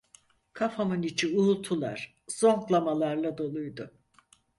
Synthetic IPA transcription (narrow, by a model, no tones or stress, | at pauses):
kʰafamɯnit͡ʃʰiulˠt̪ʰulˠa̰ɾ̥ | z̥o̞ŋklˠamalˠaɾlˠad̪o̞lˠujd̪ʊ